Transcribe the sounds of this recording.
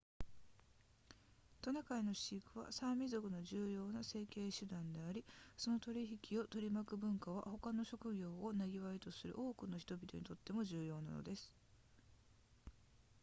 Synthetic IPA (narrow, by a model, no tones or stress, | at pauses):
t̪o̞nakaino̞ɕiːkɯ̟β̞a̰sãmʲizo̞kɯ̟no̞ʑɨːjo̞ːnase̞ːke̞ːɕɨd̪ãnd̪e̞aɾʲiso̞no̞t̪o̞ɾʲiçikʲio̞t̪o̞ɾʲimakɯ̟bɯ̟̃ŋkaβ̞a̰ho̞kano̞ɕo̞kɯ̟ɡʲo̞ːonaɡʲiβait̪o̞sɨɾɯ̟̰ʔo̞ːkɯ̟no̞çi̥t̪o̞bʲit̪o̞ɲit̪o̞t̪ːe̞mo̞ʑɨːjo̞ːna̰no̰d̪e̞sɨ̥